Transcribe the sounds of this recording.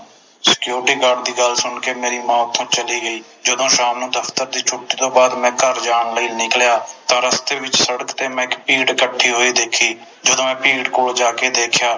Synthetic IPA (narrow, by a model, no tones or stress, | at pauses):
sɪ̥kjoːɾʈiːkaːɾɖd̪iːɡəlsʊɳkeːmeːɾiːmãːt̪ʰːõːt͡ʃəliːɡəiː | d͡ʒəd̪õːʃaːmnũːd̪əfʰt̪əɾd̪iːt͡ʃʰʊʈːiːt̪õːbaːd̪mɛ̃ːkəɾd͡ʒaːɳləiːnɪkljaːt̪ãːɾəst̪eːʋɪt͡ʃsəɽəkt̪eːmɛ̃ːɪkpiːɖkəʈʰːiːɦoːiːd̪eːkʰiː | d͡ʒəd̪õːɛ̃ːpiːɖkoːld͡ʒaːkeːd̪eːkʰjaː